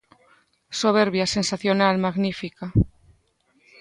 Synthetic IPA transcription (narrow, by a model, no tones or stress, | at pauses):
soβ̞eɾβjase̞nsaθjonalmaɣnifika